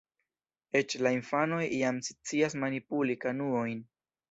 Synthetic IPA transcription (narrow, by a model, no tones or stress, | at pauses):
e̞t͡ʃlainfano̞jiamsi̥t͡sias̬manipulikanuo̞jn